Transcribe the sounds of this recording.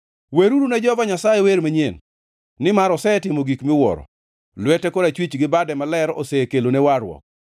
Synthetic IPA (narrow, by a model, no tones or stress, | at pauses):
weɾuɾunɛd͡ʒɔvaɲasajɛweɾmaɲen | nɪmaɾɔsɛtɪmoɡikmɪwɔ̰ɾɔ̰ | lwɛtɛkoɾat͡ʃwit͡ʃɡɪbadɛmalɛɾosekelonewaɾwɔ̰k̚